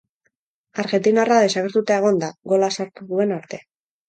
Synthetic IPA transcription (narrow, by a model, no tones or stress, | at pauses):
aɾɣe̞nt̪inaraðe̞saɣeɾt̪ut̪ae̞ɣ̞o̞nd̪aɣo̞lasaɾt̪uðue̞naɾt̪e̞